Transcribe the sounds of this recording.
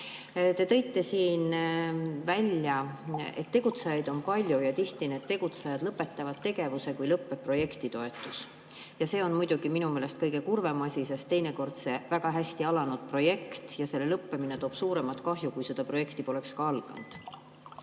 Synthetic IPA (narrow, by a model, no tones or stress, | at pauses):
t̪e̞t̪ɤ̞jt̪ːe̞siːn | vælʲjɑe̞̰t̪ːe̞ɡ̥ut̪sejɑjd̪̥o̞npɑlʲjujɑt̪iht̪ineːt̪̚t̪e̞ɡ̥ut̪sɑjɑd̪̥lɤpːe̞t̪ːˑɑvɑd̪̥̚t̪e̞ɡ̥e̞vuse̞kujlɤpːˑe̞pːro̞je̞kt̪it̪o̞e̞t̪ːˑus | jɑse̞ːo̞nmujd̪̥uɡ̥iminumeːlest̪kɤjɡe̞kurve̞mɑsʲis̬e̞st̪ːe̞jne̞ko̞rd̪̥se̞væɡ̥ɑɦæsʲt̪iɑlɑnud̪̥̚pro̞je̞kt̪jɑse̞lːe̞lɤpːemine̞t̪o̞ːb̥suːɾe̞mɑt̪kɑɦjukujsed̪̥ɑpro̞je̞kt̪ipo̞le̞kskɑɑlɡ̥ɑ̰nd̪̥